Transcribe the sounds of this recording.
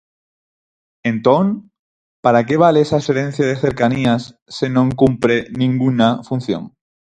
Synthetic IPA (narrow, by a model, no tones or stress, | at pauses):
ẽnt̪oŋ | paɾake̞β̞aleesaseɾen̟θjaðeθe̞ɾkaniasː | enõŋkumpɾenĩŋɡunafun̟θjo̰ŋ